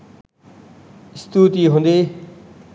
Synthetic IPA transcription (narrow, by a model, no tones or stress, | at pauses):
st̪ut̪iɦũnd̪e